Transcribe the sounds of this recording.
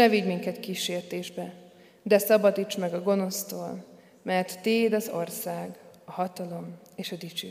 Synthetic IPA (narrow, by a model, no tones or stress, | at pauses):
ɛviɟmiŋkɛt̪kiʃeːrt̪eːʒbɛ | d̪ɛsɒbɒd̪it͡ʃmɛɡɒɡo̞no̞st̪oːl | mɛrt̪ːeːd̪ɒzo̞̰rsaːɡɒhɒt̪ɒlo̞meːʃɒd̪it͡ʃyː